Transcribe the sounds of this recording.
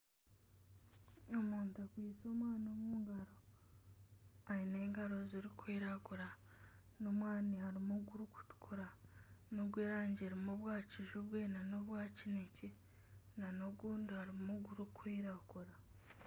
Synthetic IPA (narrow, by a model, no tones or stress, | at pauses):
omuːntakwiːso̞ːmwaːnomuːŋɡaɾo̞ | aine̞ːŋɡaɾoziɾikʰwiːɾakuɾa | no̞mwaːnihaɾimuɡuɾuku̥tu̥kʰuɾano̞ɡɡweːɾaːɲɟeɾimoβwaːciʒuβwenanoβwaːcinece | nano̞ɡuːndihaɾimuɡuɾukʰwiːɾaɡuɾa